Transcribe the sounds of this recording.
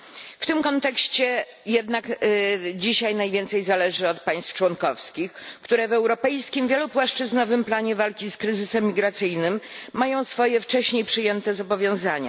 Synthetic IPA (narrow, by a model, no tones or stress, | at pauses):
ft̪ɘmkɔnt̪ɛkɕt͡ɕɛ | jɛd̪nak | d͡ʑiɕajnajvʲjɛnt̪sɛjzalɛʐɘɔt̪paj̃st̪ft͡ʂwɔnkɔfskʲixkt̪uɾɛvɛwɾɔpɛjskʲimvʲjɛlupwaʂt͡ʂɘznɔvɘmplaɲɛvalkʲiskɾɘzɘsɛmːʲiɡɾat̪sɘjnɘmːajɔ̃w̃sfɔjɛft͡ʂɛɕɲejpʂɘjɛnt̪ɛzɔbɔvʲjɔ̃w̃zaɲa̰